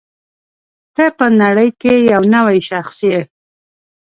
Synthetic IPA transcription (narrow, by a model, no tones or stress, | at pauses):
t̪əpənaɽəjkejawnəwajʃaxsije